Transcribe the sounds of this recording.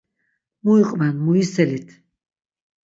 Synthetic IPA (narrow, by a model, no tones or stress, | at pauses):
muiqʼvanmuisɛlit̪ʰ